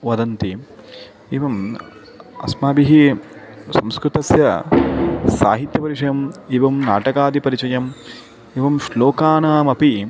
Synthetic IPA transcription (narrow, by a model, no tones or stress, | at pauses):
ʋɐd̪ɐnt̪i | iːʋɐm | ɐ̰smaːbiɦi | sɐmskɾut̪ɐsjɐ | sa̰ːɦit̪jɐpɐɾiʂɐjɐmiʋɐmna̰ːʈɐkaːd̪ʱipɐɾit͡ʃɐjɐm | iʋɐmʃloːkaːnaːmɐpi